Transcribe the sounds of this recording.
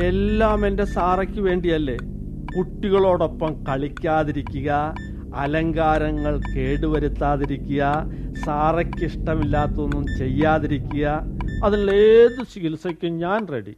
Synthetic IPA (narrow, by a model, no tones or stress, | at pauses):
e̞lːaːmende̞saːrɐkʲːɨʋe̞ːɳɖijɐlːe̞ | kuʈːiɣɐɭo̞ːɽo̞pːɐmkɐɭikʲːaːðiɾikʲːuɣɐ | ɐlɐŋɡaːɾɐŋːɐɭke̞ːɽuʋɐɾut̪ːaːðiɾikʲːuɣɐsaːrɐkʲːiʂʈɐmilːaːt̪ːonːumt͡ɕe̞jːaːðiɾikʲːuɣɐɐðinɭeːðɨsiɣilsokʲːuɲaːnreɽḭ